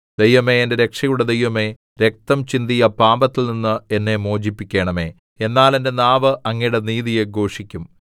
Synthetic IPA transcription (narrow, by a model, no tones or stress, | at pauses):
d̪e̞jʋɐme̞endeɾe̞kʂɐjuɽed̪ejʋɐme̞ː | ɾek̚t̪ɐmt͡ɕind̪ijɐpaːmbɐt̪ːilninːɨenːe̞moːd͡ʑipːikʲːe̞ːɳɐme̞ː | enːaːlende̞naːʋɨʔɐŋːɐjɽeniːðije̞ɡʱo̞ːʂikʲːum